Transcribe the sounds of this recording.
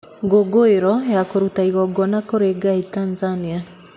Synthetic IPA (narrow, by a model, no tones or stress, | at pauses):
ŋɡoɡoeɾɔjakoɾutaiɣɔɡɔnakoɾeɡaitanzania